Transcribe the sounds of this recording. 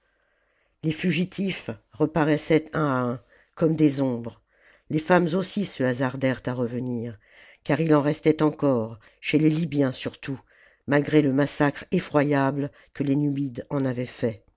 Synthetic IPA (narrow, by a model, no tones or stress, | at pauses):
lefyʒit̪ʰifʁəpaʁɛsɛt̪ɛ̃ɛ̃ | kɔmd̪ezɔ̃bʁ | lefamzosisəazaʁd̪ɛʁt̪aʁəvəniːʁ | kaʁilɑ̃ʁɛst̪ɛt̪ɑ̃kɔʁ | ʃelelibjɛ̃syʁt̪u | malɡʁeləmasakχefχwajabl | kəlenyid̪ɑ̃navɛfɛ